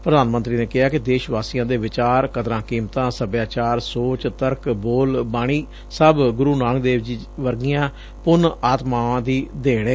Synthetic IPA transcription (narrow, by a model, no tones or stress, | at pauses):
pɾəd̪aːnmənt̪ɾiːneːkɪɦaːkɪd̪eːʃʋaːsiːjãːd̪eːʋɪt͡ʃaːɾkəd̪ɾãːkiːmt̪ãːsəbjaːt͡ʃaːɾsoːt͡ʃt̪əɾkboːlbaːɽ̃iː | səbɡʊɾuːnaːŋɡd̪eːʋd͡ʒiː | ʋəɾɡijãː | pʊnaːt̪mãːd̪iːd̪eːɽ̃eː